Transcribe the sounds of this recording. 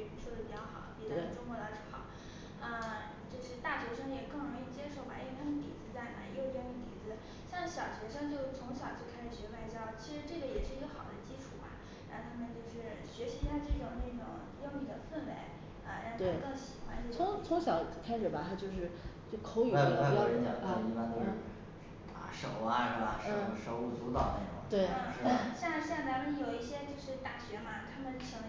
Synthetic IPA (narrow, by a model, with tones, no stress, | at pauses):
u˧˥ʂwɔ˥d̪ə˩pi˨˩t͡ɕjɑ˥˩xɑ̰˨˩˦ʊpi˨˩t͡ɕə˨˩ʈ͡ʂʊ˥ŋkwɔ˧˥d̪ɑ˧˥ʂɻ̩˥˩xɑ˨˩˦ʊ | ə˥˧ | t͡ɕjo˥˧ʊʂɻ̩˥˧t̪a˥˩ɕɥɛ˧˥ʂɤ˥ŋjɛ˨˩kɤ˥˩ŋɻjo˨˩t͡ɕjɛ˥ʂo˥˩ʊxa̰˧˥˩j̪ʰa˥i˥t̪ḭ˨˩t͡sɹ̩˧˥t͡sa˥˩ɪna˨˩jt͡ɕa˥ni˧˥˩t̪ḭ˨˩d͡zɹ̩˧˥ | ɕjɑ˥˧ŋɕjɑ˨˩ʊɕɥɛ˧˥ʂɤ˥˧ŋt͡ɕjo˥˩ʊt͡sʰʊ˧˥ŋɕjɑ˨˩ʊt͡ɕjo˥˧ʊkʰa˥ʂɻ̩˨˩ɕɥɛ˧˥wa˧˥ɪt͡ɕjɑ˥ʊt͡ɕʰi˧˥ʂɻ̩˧˥ʈ͡ʂɤ˥˩ɡə˩jɛ˨˩ʂɻ̩˥˩i˧˥ɡə˧xɑ˨˩ʊd̪ə˦t͡ɕi˥ʈ͡ʂʰu˨˩bɐ̰˦ | ɻa˧˥xo˧˩t̪ʰa˥mə˨nt͡ɕjo˥˧ʊʂɻ̩˥˩ɕɥɛ˧˥ɕi˧˥˧ja˥˧ʈ͡ʂɤ˥˩ʈ͡ʂʊ˨˩ŋna˥˩ʈ͡ʂʊ̰˨˩˦ŋ | jo˥˧mi˥˩d̪ə˨˩fə˥˩nwe˧˥ɪ | ɐ˥˧ɻa˧˥˧t̪wʰe˥˩˥kɤ˥˩ŋɕi˨˩xwa˥nt͡ɕt͡sʰʊ˧˥ŋt͡sʰʊ˧˥ŋɕjɑ˨˩ʊkʰa˥ɪʂɻ̩˨˩bɐ˩t̪ʰa˥t͡ɕjo˥˧ʊʂ̬ɻ̩˥˩t͡ɕo˥˩kʰo˧˥ʊy˨˥˧jɛ̰˧˨˩a˥˨˩i˧˥pa˥˧nt͡ɕo˥˧ʊɻ̩˥˩˥ | t̪a̰˧˥ʂo˨˩ʊɐ˧˦ʂɻ̩˥˩bɐ̰˩ʂn̩˥ʂo˧˥ʊu˥˩t͡su˧˥t̪ɑ˨˩ʊne˥˩ʈ͡ʂʊ̰˨˩ŋt̪we˥˩ɪ˥˧˩ʂɻ̩˥˩˧na˥˧ɕja˥˧ɕjɑ˥˩ŋt͡sa˧˥mə˨njo˨˩ʊi˥˩ɕjɛ˥t͡ɕjo˥˧ʊʂɻ̩˥˩t̪a˨˥˩ɕɥɛ˧˥xa˧˥t̪ʰa˥mə˨nɕʰɑ˥ŋ˧